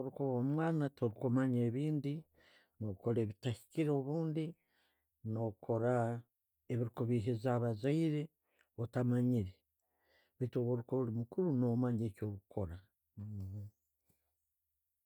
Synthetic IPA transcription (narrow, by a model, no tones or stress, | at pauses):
oɾukoβomwaːnatʰoɾikomaɲeːβiːndi | noko̞ɾeβitahi̥ciɾeoβuːndi | nokʰo̞ɾa | eβiɾikuβiɦizaβazaiɾe̞ | otamaɲiɾe | βitoβoɾukoβulimukuɾunomaɲeːcoːβukʰo̞ɾa